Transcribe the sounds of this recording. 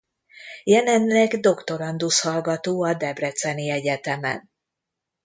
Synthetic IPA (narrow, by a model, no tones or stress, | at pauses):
jɛlɛnlɛɡd̪o̞kt̪o̞ɾɒnd̪ushɒlɡɒt̪oːɒd̪ɛbrɛt̪sɛniɛɟɛt̪ɛmɛ̰n